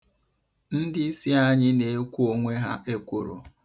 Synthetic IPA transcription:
n̩˦dɪ˦i˦si˦a˦ɲɪ˦ne˨e˦kʷu˦o˦ŋʷe˦ɦa̰˦ʔe˦kʷu˨ɾo̰˨

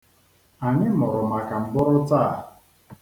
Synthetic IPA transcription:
a˨ɲɪ˦mɔ˨ɾʊ˨ma˨ka˨m̩˨bɔ˦ɾʊ˦ta˦˨

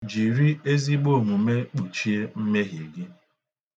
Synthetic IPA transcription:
d͡ʒi˨ɾi˦e˦zi˦ɡ͡bo˦˨ŋu˨me˦k͡po˨t͡ʃi˦e˦m̩˦me˦ɦe˨ɡɪ˦

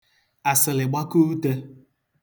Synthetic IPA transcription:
a˨sɪ˨lɪ˨ɡ͡ba˦ku˦te˦

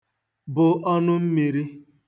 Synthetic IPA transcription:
bʊ˨ʔɔ˦nʊ˦m̩˦mi˨ɾi˦

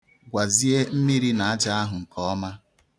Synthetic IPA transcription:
ɡʷa˨zi˦e˦m̩˦mi˦ɾi˦na˨a˦d͡ʒa˦a˦ɦʊ˨ŋ̩˨kɔ˦ɔ˦ma˦

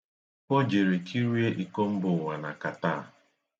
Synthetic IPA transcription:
kʷɔ˦d͡ʒe˨ɾe˨kʰi˦ɾi˦e˦ʔi˨ko˦m̩˦bʊ˨ŋʷa˨na˨ka˨ta˦˨

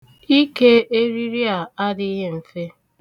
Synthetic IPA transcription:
i˦ke˦e˦ɾi˦ɾi˦a˨a˦dɪ˦ɦe˦m̩˨fe˦

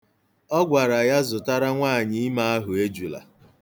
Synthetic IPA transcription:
ɔ˦ɡʷa˨ɾa˨ja˦zʊ˨ta˦ɾa˦ŋʷaː˦˨ɲɪ˦ɪ˦ma˦a˦ɦʊ˨e˦d͡ʒu˨la̰˨

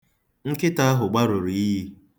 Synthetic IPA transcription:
ŋ̩˦kɪ˦ta˦a˦ɦʊ˨ɡ͡ba˦ɾʊ˨ɾi˨i˦ɦi˦

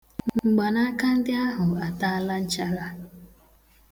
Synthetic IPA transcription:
ŋ͡m̩˨ɡ͡ba˨na˦ka˦n̩˦dɪ˦a˦ɦʊ˨a˨ta˦la˦n̩˦t͡ʃa˦ɾa˦

